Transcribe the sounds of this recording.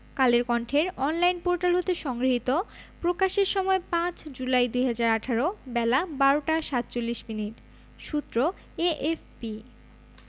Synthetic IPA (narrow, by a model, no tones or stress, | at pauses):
kaleɾkɔɳʈʰeɾɔnlajnpoɾʈalɦot̪eʃɔŋɡɾiɦit̪opɾokaʃeɾʃɔmɔepãt͡ɕd͡ʑulajd̪ujɦad͡ʑaɾaʈʰaɾobɛlabaɾoʈaʃat̪̚ːt͡ɕolːiʃminiʈ | ʃut̪ːɾo | eʔefpi